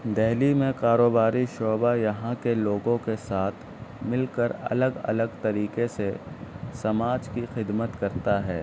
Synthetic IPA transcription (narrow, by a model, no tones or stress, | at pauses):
d̪ɛɦlimẽkaːɾoːbaːɾiʃoːbajɐɦãkeloːɡõkesaːt̪ʰ | mɪlkəɾɐ̰ləɡɐ̰ləɡt̪ɐɾiːkesesɐmaːd͡ʒkixɪd̪mət̪kɐɾt̪aɦɛː